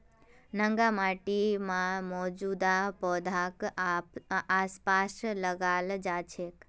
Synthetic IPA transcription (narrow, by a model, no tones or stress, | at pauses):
nə̃ŋɡamaʈimãmɔd͡ʒud̪apɔd̪ʱak | aspasləɡald͡ʒat͡ʃʰek